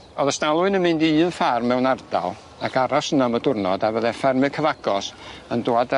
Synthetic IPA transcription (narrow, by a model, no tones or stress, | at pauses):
ɔðəstalˠʊɨnəmɨndɨːnfarmːɛwnarda̰lˠ | aɡaɾɔsənamədʊrnɔdavəðɛfɛrmɨkʰəvaɡ̥ɔsəndoad